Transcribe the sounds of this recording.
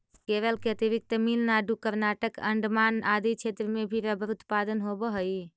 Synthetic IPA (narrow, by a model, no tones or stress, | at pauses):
keɾəlkeət̪ibik̚t̪əmilnaɖukəɾnaʈəkə̰ɳɖmanad̪it͡ʃʰet̪ɾəmebʱiɾəbəɾut̪pad̪ənɦobəɦəj